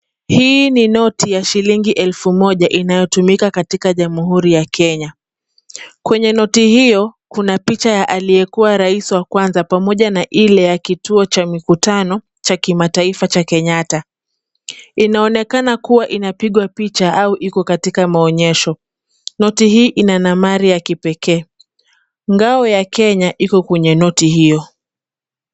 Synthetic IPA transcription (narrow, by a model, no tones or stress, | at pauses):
hiːninɔtʰijaʃiliŋɡiʔɛlfumɔʄaʔinajɔtumikakatikaʄamuɦuɾijakɛɲa | kwɛɲɛnɔtihijɔkunapit͡ʃajaʔalijɛkuwaɾaisiwakwanzapamɔʄanaʔilɛjakituɔt͡ʃamikutanɔ | t͡ʃakimataifat͡ʃakɛɲata | inaɔnɛkanakuwaʔinapiɠwapit͡ʃaʔauʔikɔkatikamaɔɲɛʃɔ | nɔtihiːʔinanamaɾijakipɛkɛː | ŋɡaɔjakʰɛɲaʔikɔkwɛɲɛnɔtihijɔ